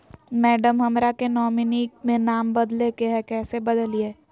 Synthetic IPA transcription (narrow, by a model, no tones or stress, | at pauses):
mɛːɖəmɦɐmɾakenɔːmɪnik̚mẽnaːmbɐd̪lekeɦɛkɛːsebɐd̪əlie